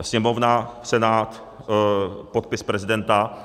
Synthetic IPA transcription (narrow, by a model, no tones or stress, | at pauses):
sɲɛmo̞vnasɛnaːt̪ | pot̪̚pɪspɾɛzɪdɛnt̪a